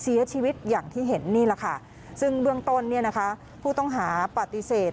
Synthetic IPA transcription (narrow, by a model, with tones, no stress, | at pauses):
si˩˦ɐt͡ɕʰiː˧wi˦˥t̪̚jaː˨˩ŋt̪ʰiː˥˩ɦe˩˦nːiː˥˩la˨˩kʰa˥˩ | sɯ˥˩ŋbɯ˥˩əŋt̪o˧nːi˥˩ɐna˦˥kʰa˦˥ | pʰuː˥˩t̪ɔ˥˩ŋɦaː˩˦pa˨˩t̪i˧˥seː˨˩